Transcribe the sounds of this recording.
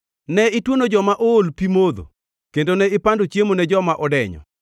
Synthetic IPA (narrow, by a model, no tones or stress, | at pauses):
nɛɪtwonod͡ʒɔmaʔoolpimod̪o̰ | kendonɛɪpandot͡ʃjemonɛd͡ʒɔmaʔɔdɛɲɔ̰